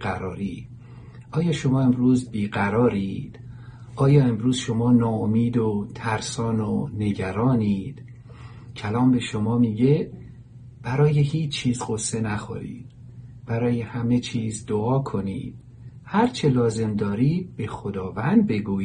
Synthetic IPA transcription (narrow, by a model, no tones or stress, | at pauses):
æɾɒːɾiː | ʔɒːjɒːʃo̞mɒːe̞mɾuːzbiːɡæɾɒːɾiːd̪̥ | ʔɒːjɒːe̞mɾuːz̥ʃo̞mɒːnɒːomiːd̪ot̪ʰæɾsɒːnone̞ɟæɾɒːniːd̪̥ | cʰælɒːmbe̞ʃomɒːmiːɟe̞ | b̥æɾɒːje̞hiːt͡ʃʰːiːzɢosːe̞næxo̰ɾḭːd̪̥̚ | b̥æɾɒːje̞hæme̞t͡ʃʰiːzd̪oɒːkʰonḭːd̪̥̚ | hæɾt͡ʃʰelɒːze̞md̪ɒːɾiːd̪̥̚be̞xod̪ɒːvænd̪̚be̞ɡuːi